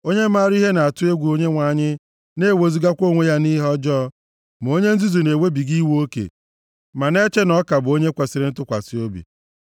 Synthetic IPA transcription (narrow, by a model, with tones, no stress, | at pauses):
o˦ɲe˦ma˦˨ɾi˦ɦe˦na˨a˨tʊ˦e˦ɡʷu˨o˦ɲe˦ŋʷa˨˦˨ɲɪ˦ | ne˦˨we˨zi˦ɡa˦kʷo˦˨ŋʷe˦ja˦ni˦ɦɔ˦d͡ʒɔ˦ | m˨o˦ɲe˦n̩˦zi˦zu˨ne˨we˦bi˨ɡi˦wo˦kḛ˨ | ma˨ne˦t͡ʃe˦nɔ˦ka˨bʊ˨o˦ɲe˦kʷa˨si˨ɾɪ˦n̩˦tʊ˦kʷa̰˨si˦o˦bḭ˨